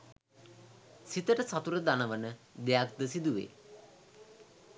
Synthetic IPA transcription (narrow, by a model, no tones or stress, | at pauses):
sit̪əʈəsat̪uɾəd̪anəʋənəd̪ejak̚d̪əsid̪uʋḛː